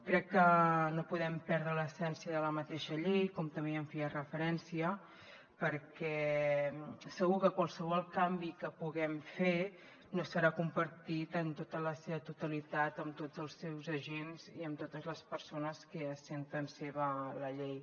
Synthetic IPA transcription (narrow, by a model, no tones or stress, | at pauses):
kɾɛkːənopuðɛmpɛɾðɾələsɛnsiəðələmət̪eʃəʎejkɔmt̪əmbeəɱfearəfəɾɛnsiə | pəɾkɛ | səɣukəkwalˠsəβ̞ɔlˠkambikəpuɣɛmfe | nosəɾakumpəɾt̪it̪ənt̪ot̪ələseβət̪ut̪əlit̪at̪əmt̪od͡zəlˠsɛwzəʒenziəmt̪ot̪əzləspəɾsonəskəːsent̪ənseβələʎej